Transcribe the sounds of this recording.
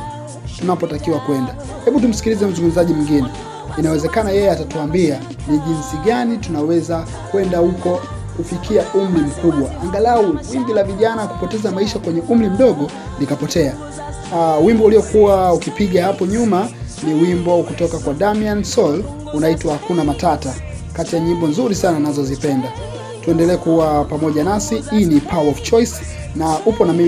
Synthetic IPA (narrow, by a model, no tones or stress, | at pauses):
tunapɔtakiwakwɛnda | hɛɓutum̩si̥kilizɛm̩zuŋɡum̩zaʄimuŋɡinɛ | inawɛzɛkanajɛjɛatatuambia | niʄinsiɡanitunawɛza | kwɛndahukɔ | kufikiaʔum̩ɾim̩kuɓwaaŋɡalauwiŋɡilaviʄanaku̥pɔtɛzamaiʃakwɛɲɛʔum̩ɾim̩ɗɔɠɔ | likapɔtɛa | wimbɔuliɔkuwaukipiɡahapɔɲumaniwimbɔkutɔkakwaɗamiansɔl | unaitwahakunamatata | katijaɲimbɔnzuɾisananazɔzipɛnda | tuɛndɛlɛːkuwapamɔʄanasiiːnipʰawaɔft͡ʃɔjs | naʔupɔnami